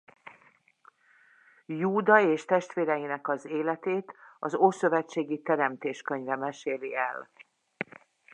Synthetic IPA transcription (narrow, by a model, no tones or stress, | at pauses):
juːd̪ɒeːʃt̪ɛʃt̪ʋeːɾɛjinɛkɒzeːlɛt̪eːt̪ɒzoːsø̞vɛt͡ʃːeːɡit̪ɛɾɛmt̪eːʃkø̞ɲvɛmɛʃeːliɛl